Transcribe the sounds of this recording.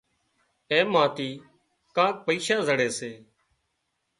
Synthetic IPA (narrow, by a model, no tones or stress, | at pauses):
ẽːmãːt̪iː | kãːk̚pəiːʃaːzəɽeːseː